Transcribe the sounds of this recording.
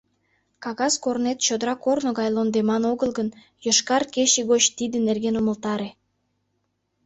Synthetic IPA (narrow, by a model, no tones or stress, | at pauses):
kɑɣɑskornet̪t͡ɕod̪əɾɑkornoɣɑjlond̪emɑnoɣəlˠɣən | jəʃkɑrkeɕeɣot͡ɕt̪id̪enerɣenuməlt̪ɑɾe